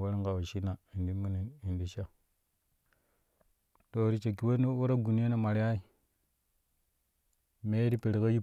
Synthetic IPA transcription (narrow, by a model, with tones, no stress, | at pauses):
wa˦ɾi˦ŋka˨wa˨ʃi˦na˨i˨ndi˦mu˦ni˨i˨ndi˦ʃa˦ | to˨ɾi˦˨t͡ʃe˨kːi˨˦we˦n˦wo˦ɾa˦ɡu˨n˦e˦ne˨ma˨ɾja˦i˦ | me˦ɾi˦pe˨ɾi˨ka˦ji˦